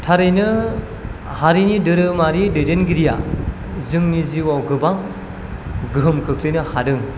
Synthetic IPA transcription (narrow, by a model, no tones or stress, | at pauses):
tʰaɾɯjnɯ | haɾinidɯɾɯmaɾidɯjdenɡiɾija̰ | zɯŋniziwawɡɯbaŋ | ɡɯɦɯmkʰɯkʰlɯjnɯhadɯŋ